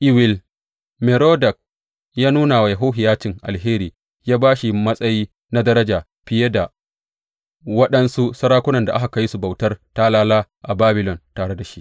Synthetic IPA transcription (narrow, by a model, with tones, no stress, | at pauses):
ʔɪ˦wɪ˨l | me˨ɾoː˦dɐ˨k̚ | jaː˦nuː˦naː˨wa˨ja˨ɦo˦ɦɪ˨jaː˦t͡ʃɪ˨ŋʔa̰˨lɦeː˦ɾiː˨ | jaː˦baː˦ʃi˨mɐ˦sʼɐ˦jiː˦ | na˦dɐ˦ɾɐ˦d͡ʒaː˨ | ɸɪ˦je˦da˨ | wɐ˦ɗɐ˦nsu˦sɐ˦ɾaː˦kʷʊ˦nɐ˨nda˨ʔa˦ɦa˨ka˦ji˦su˨ba˨wtɐ˦rta˦laː˦laː˦ʔa˨baː˦bɪ˦lɔ˨ntaː˨ɽe˦da˨ʃi˦ʔ